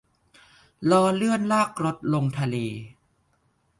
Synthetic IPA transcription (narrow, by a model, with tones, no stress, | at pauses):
lɔː˧lɯ˥˩ənlaː˥˩k̚ɾo˦˥t̪̚lo˧ŋt̪ʰa˧leː˧